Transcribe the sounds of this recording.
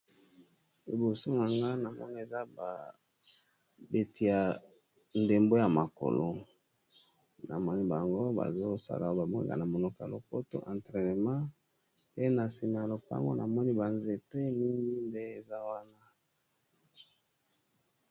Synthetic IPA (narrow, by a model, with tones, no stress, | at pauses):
e˨bo˨so˦na˨ŋɡa˦na˨mɔ̰˦ni˦e˨za˦ba˨ | be˨ti˨a˨ | nde˨mbo˦ja˨ma˨ko̰˨lo˦ | na̰˨mɔ˦ni˦ba˨ŋɡo˦ba̰˨zo˦sa̰˦la˨o˦ba˨mɔ˦ḭ˦ka̰˨na˨mo˨nɔ˦ka˨a̰˨lo˨ko˦to̰˦ʔã˨ntʁɛ˨ne˨mã˦ | pe˦na˨si˨m˨a˨lo˨ka˦a̰˦ŋɡo̰˦nʔa˨mɔ˦ni˦ba˨nze˨te˦ni˦ŋɡi˦nde˦e˨za˦wa˦na˦